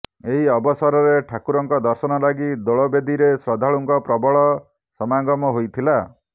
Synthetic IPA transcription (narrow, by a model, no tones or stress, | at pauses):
eɦiɔbɔsɔɾɔɾeʈʰakuɾɔŋkɔd̪ɔɾsɔnɔlaɡid̪ɔɭɔbed̪iɾesɾɔd̪ʱaɭuŋkɔpɾɔbɔɭɔ | sɔmaɡɔmɔɦojt̪ʰila